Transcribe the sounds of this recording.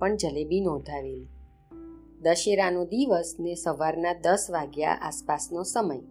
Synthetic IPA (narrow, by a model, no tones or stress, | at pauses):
əɳd͡ʒəlebinɔ̃d̪ʱaʋel | d̪əʃeɾanod̪iʋəsnesəʋaɾnad̪əsʋaɡja̰ʔa̰spasnosəməj